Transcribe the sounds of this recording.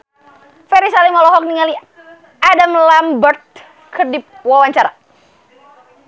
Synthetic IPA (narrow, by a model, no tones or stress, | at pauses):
fɛɾisalimɔlɔɦɔk̚niŋali | ʔadamlambərt̪̚ | kʰərdip̚wawaɲt͡ʃaɾa